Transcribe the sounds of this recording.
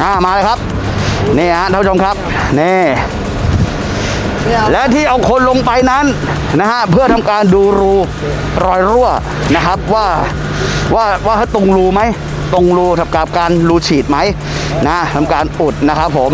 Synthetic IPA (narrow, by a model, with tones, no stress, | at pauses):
ʔaː˨˩maː˧leː˧jkʰa˦˥p̚ | niː˥˩ha˦˥ʔ̪a˦pʰːt͡ɕʰo˧mkʰa˦˥p̚ | niː˥˩ | lɛ˦˥wt̪ʰiː˥˩ʔa˧wkʰo˧nlo˧ŋpa˧jna˦˥n | na˦˥ɦa˦˥ʔpʰɯ˥˩ət̪ʰa˧mkaː˧nduː˧ɾuː˧ | ɾɔː˧jɾu˥˩ə | na˦˥kʰa˦˥p̚waː˥˩ | waː˥˩waː˥˩ɦa˦˥˩jt̪o˧ŋɾuː˧ma˦˥j | t̪o˧ŋɾuː˧t̪ʰa˨˧˩p̚ka˨˩p̚kaː˧nɾuː˧t͡ɕʰiː˨˩t̪̚ma˦˥j | na˦ha˦˥t̪ʰa˧mkaː˧nʔu˨˩t̪̚na˦˥kʰa˦˥p̚ʰːo˩˦m